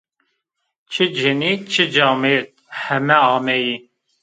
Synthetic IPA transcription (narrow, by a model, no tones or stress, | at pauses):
t͡ʃʰɨd͡ʒɨnit͡ʃʰɨd͡ʒɑːmet̪̚hɛmɛɑːmɛji